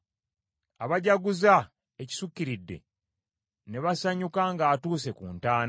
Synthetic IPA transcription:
aβaɟaɡuza | eci̥sukːiɾidːe̞̰ | ne̞βasaɲukaŋɡaːtuːs̬e̞kṵːntaːna

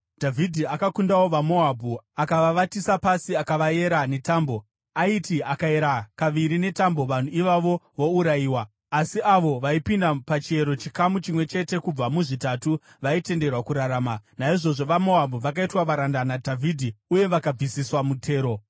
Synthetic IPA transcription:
dʱavʱidʱiakakundawoʋamo̞abʱuakaʋaʋatisapasiakaʋaje̞ɾane̞taːmbo̞ | aitiakae̞ɾakaʋiɾine̞tambo̞ʋan̤uiʋaʋo̞ʋo̞uɾaiːwaː | siaʋo̞ʋaipindapat͡ʃie̞ɾo̞t͡ʃikamut͡ʃimwe̞t͡ʃe̞te̞kub͡vamuʐitatu | ʋaite̞nde̞rwakuɾaɾaːmanaiʐo̞ʐo̞ʋamo̞abʱuʋakaitwaʋaɾandanadʱavʱidʱiuje̞ʋakab͡visiswamutʰe̞ːɾo̞

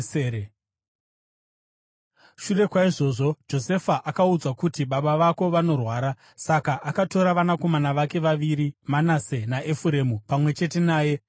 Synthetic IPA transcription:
eɾe | ʃure̞kwaiʐo̞ːʐo̞d͡ʒo̞se̞faʔakaud͡zwakutiɓaɓaʋako̞ʋano̞rwaːɾa | sakaʔakato̞ɾaʋanako̞manaʋake̞ʋaʋiɾimanase̞naʔefuɾe̞mupamwe̞t͡ʃe̞te̞naːje̞

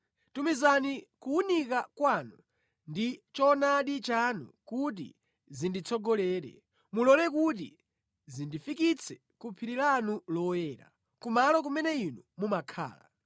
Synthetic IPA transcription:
tumizanikuːnikakwanu | ndit͡ʃɔnaɗit͡ʃanṵkut̬ḭ | zindit͡sʰɔɡɔlɛːɾɛ̰ | mulɔlɛkut̬ḭ | zindifikit͡sʰɛ | kupʰiɾilanulɔjɛːɾa̰ | kumalɔk̬umɛnɛinumumakʰa̰ːla̰

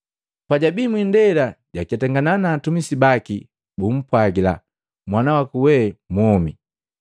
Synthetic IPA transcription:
paɟabimwindɛlaɟakiatɛŋɡananaːtumisibaki | bum̩pwaɡila̰ | mwanawakuwɛmɔmi

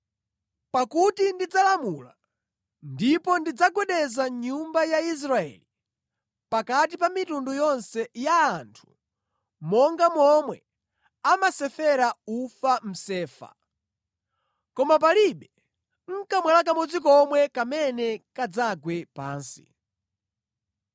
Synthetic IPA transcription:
pakutindid͡zalamula̰ | ndipɔndid͡zaɡwɛɗɛzaɲumbajais̬ɾaɛ̰li | pakat̬ipamitundujɔnsɛjaːntʰu̥ | mɔŋɡamwɔmwɛ | amasɛfɛɾaufam̩sɛːfa̰ | kɔmap̬aliɓɛ | ŋ̩kamwɛlak̬amɔd͡zikɔmwɛkamɛnɛkad͡zaɡwɛpa̰ːnsi̥̰

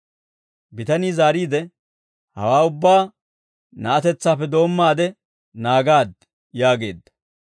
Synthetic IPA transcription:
bɪt̪ɐniːzaːɾiːd̪ɛ | hɐ̰waːʊbːaː | nɐʔɐt̪ɛt͡sːaːpːɛd̪o̞ːmːaːd̪ɛ | naːɡaːd̪ | jaːɡe̞̰ːd̪ːɐ̥

